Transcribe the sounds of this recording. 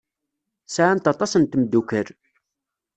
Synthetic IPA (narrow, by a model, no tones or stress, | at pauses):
sʕant̪ɑt̪ˤɑsənt̪md̪ukəɾ